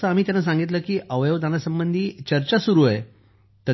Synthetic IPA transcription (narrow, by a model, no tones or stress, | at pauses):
əam̤iːt̪janːas̬ãŋɡit̪ləːkiːʔəʋjəʋd̪anasəmbənd̪ʱiːt͡ɕəɾt͡ɕasuɾuəe | t̪ə